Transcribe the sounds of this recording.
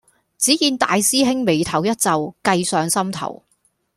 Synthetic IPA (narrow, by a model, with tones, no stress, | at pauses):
t͡siː˨˥jiː˨˧nt̪a̰ː˨˧jsiː˥ɦɪ˥ŋme˨˧jt̪ʰɐ˨˩wjɐ˥t̚t͡sɐ˨wkɐ˧jsœː˨ŋsɐ˥mt̪ʰɐ̰˨˩w